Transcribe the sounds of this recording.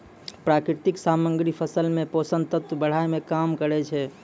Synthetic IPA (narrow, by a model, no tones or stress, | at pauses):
pɾakɾɪt̪iksaməŋɡɾipʰəsəlmẽposənt̪ət̪wəbəɽ̤ajmekamkəɾɛt͡ʃʰɛ